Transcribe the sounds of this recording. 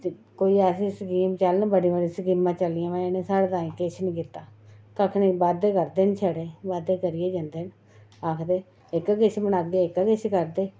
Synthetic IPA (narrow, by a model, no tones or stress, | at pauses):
koːiːɛsisəkiːmt͡ʃəlnbəɽĩbəɽĩsəkiːmãːt͡ʃəlːɪjãːmɛ̃ːɪneːsaːɽt̪ãːikɪt͡ʃʰnĩːkɪt̪ːaːkəkʰnibaːd̪eːkəɾd̪eːnt͡ʃʰəɽeːbaːd̪eːkəɾɪeːd͡ʒə̃nd̪eːn | aːkʰd̪eː | ɪkːkɪt͡ʃʰmənaːkd̪eɪkakɪt͡ʃʰkəɾd̪eː